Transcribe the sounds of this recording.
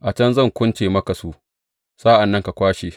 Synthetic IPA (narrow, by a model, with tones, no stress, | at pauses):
ʔa˨t͡ʃɐ˦nzɐ˦˨ŋkʷʊ˦nt͡ʃeː˨mɐ˦ka˨su˦ʔ | saː˦ʔa˨nːɐ˦ŋka˨kʷaː˦ʃeː˨